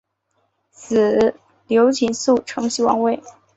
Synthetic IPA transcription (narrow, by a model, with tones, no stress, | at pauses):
s̩˨˩ | ljo˧˥ʊt͡ɕʰi˧˥nsu˥˩ʈ͡ʂʰɤ˧˥ŋɕi˥wɑ̰˧˥ŋwe˥˩ɪ